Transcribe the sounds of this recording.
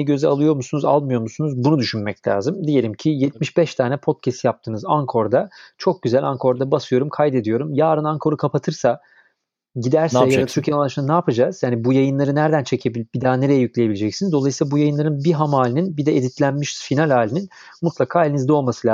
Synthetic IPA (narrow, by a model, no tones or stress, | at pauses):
ɛɟø̞zɛalˠɯjo̞ɾmusunuza̰lˠmɯjo̞ɾmusunuzbunud̪yʃynmɛclʲa̰ːzɯmd̪ije̞lʲimcʰijɛt̪miʃbɛʃt̪ʰaːnɛpʰo̞t̪̚cʰɛst̪jap̚t̪ʰɯːnɯzaŋkʰo̞ɾd̪at͡ʃʰo̞k̚ɟyzælʲaŋkʰo̞ɾd̪abasɯjo̞ɾumkʰajd̪e̞d̪ijo̞ɾumjaːɾɯnaŋkʰo̞ɾukʰapʰat̪ʰɯɾsa | ɟid̪æɾɛɛjad̪ayɾcʰɛnˠaʃɯnnaːpʰad͡ʒaz̥jaːnibujajɯnlˠaɾɯnæɾd̪ænt͡ʃʰe̞cʰe̞bilʲbid̪aːne̞ɾejɛjyclʲejeied͡ʒɛcsinizd̪o̞lˠajsiːlˠabujajɯnlˠaɾɯnbiɦamaːlʲininbid̪ɛed̪it̪lʲænmiʃfinalʲaːlʲinin | mut̪lˠakʰaːelʲinizd̪ɛo̞lˠmasɯl